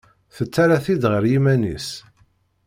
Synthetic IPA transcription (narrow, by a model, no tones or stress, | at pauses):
θət͡sːaɾaθid̪ʁəɾjimænḭs